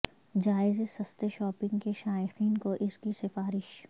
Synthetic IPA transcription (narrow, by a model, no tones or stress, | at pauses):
d͡ʒaːɪzesɐst̪eʃɔːpɪ̃ŋɡkeʃaːɪxiːnkoʔɪskisɪfaːɾɪʃ